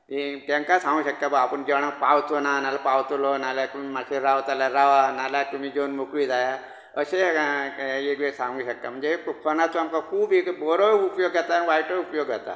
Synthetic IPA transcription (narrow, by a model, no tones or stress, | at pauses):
it̪aŋkasãŋɡuːɕək̚t̪abəɡapəɳd͡ʑeʋɳapawt͡s̪onanalapawt͡s̪lonaljakuimaɕeɾaʋt̪alaɾaʋanalakũiːd͡ʑonmukʋiːd͡zaja | əɕe | eʋesãŋɡuːɕəkt̪am̤əɳd͡zekʰonat͡soamkakʰuːbekbɔɾoupjoɡd͡zat̪anʋajʈəupjoɡd͡zʱat̪a̰